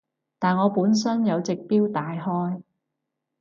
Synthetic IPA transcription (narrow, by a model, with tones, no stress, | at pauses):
t̪aː˨nŋɔː˨˧puː˨˥ns̬ɐ˥njɐ˨˧wt͡sɪ˨k̚piː˥wt̪aː˨jɦɔː˥j